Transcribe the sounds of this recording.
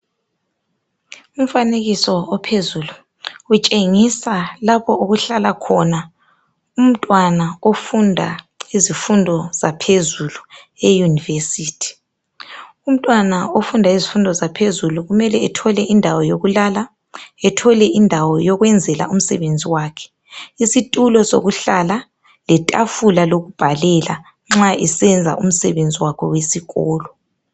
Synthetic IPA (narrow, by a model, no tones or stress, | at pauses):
um̩faneɣisɔɔpʰezuːlu | ut͡ʃʼeŋisalapʰɔoɣuɬalakʰɔna | um̩tʼwanaofundʱa̰ | izifundʱɔz̥apʰezulu | ejunivesiːtʰi̥ | um̩tʼwanaofundʱaizifundʱɔzapʰezuluɣumɛlɛɛtʰɔlɛʔindʱawɔjoɣulaːla | ɛtʰɔlɛindʱawɔjɔɣwɛnd͡zʱɛla̰um̩sɛ̰βend͡zʱiwaːkʰɛ̥ | isitʼulɔso̰ɣuɬala | lɛtʼafulaloɣub̥ʱalɛla | ŋ͡ǁaɛsɛnd͡zʱa̰ʔum̩sɛβend͡zʱiwakʰɔwesiɣɔːlɔ